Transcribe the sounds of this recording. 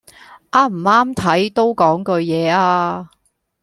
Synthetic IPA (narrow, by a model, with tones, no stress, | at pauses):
ʔaː˥m̩˨˩aː˥mt̪ʰɐ˨˥jt̪o˥wkɔː˨˥ŋkɵ˧ɥjɛː˨˧aː˧